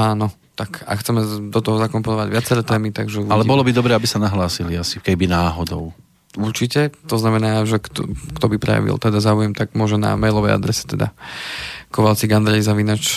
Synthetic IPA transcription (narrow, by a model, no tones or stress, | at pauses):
aːnɔ | t̪aka̰kxt͡sɛmɛd̪ɔt̪ɔɦɔzakɔmpɔnɔʋaɟʋɪat͡sɛɾɛːt̪ɛːmit̪aɡʒɛuʋalɛbɔlɔbid̪ɔbɾɛabisanaɦlaːsiliasikɛibinaːɦɔd̪ɔʊ | uɾt͡ʃicɛt̪ɔznamɛnaːʒɛkt̪ɔkt̪ɔbipɾɛ̰ja̰ʋḭlt̪ɛd̪azaːujɛmt̪aɡmʊɔʒɛna̰mɛjlɔʋɛja̰d̪ɾɛsɛ̥t̪ɛd̪a̰ | kɔʋalt͡siɡand̪ɾɛzaʋinaːt͡ʃ